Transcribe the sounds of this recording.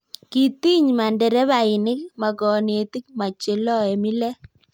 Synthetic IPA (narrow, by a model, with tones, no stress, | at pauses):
ki˨ti˦ɲma˨ndɛ˨ɾɛ˦βa˨ɪ˨nɪ˦k̚ma˨kɔ˨ne˨ti˦k̚ma˨t͡ʃɪ˨lɔ˦e˨mi˦lɛ˦